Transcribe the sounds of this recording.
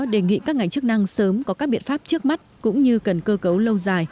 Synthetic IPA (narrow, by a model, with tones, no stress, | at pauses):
ɗe˧˩ŋḭ˧˨kaː˦˥k̚ŋa˨˩ŋ̟t͡ɕɨ˦˥k̚na˧ŋsəː˨˦mkɔ˨˦kaː˦˥k̚ɓḭ˧˨ənfaː˦˥p̚t͡ɕɨ˦˥ək̚ma˦˥t̚kʊ̰˧˥ŋ͡mɲɨ˧kə˨˩nkəː˧kə˨˦wlə˧wzaː˨˩j